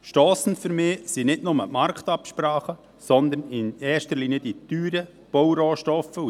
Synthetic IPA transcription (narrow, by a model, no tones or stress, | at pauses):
ʃtɔːsn̩fyɾmɪːsinɪdnʊməmɑɾkt̪ɑpʃpɾɑːχə | sɔnd̪ənɪnɛːʃtəɾliːnjəd̪it̪yːɾə | b̥ɔwɾoːʃtɔfəu